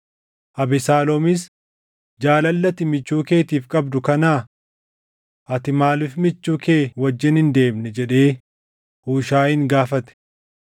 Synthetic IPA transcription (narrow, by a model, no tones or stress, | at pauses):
ʔɐbɪsaːlɔmɪs̬ | d͡ʒaːlɐlːɐt̪ɪmɪt͡ʃːuːke̞ːt̪iːfkʼɐbd̪ʊkɐnaː | ʔɐt̪ɪmaːlɪfmɪt͡ʃːuːke̞ːwɐd͡ʒːɪnhɪnd̪e̞ːmnɛd͡ʒɛᶑe̞ː | huːʃaːɪŋɡaːfɐt̪ɛ̥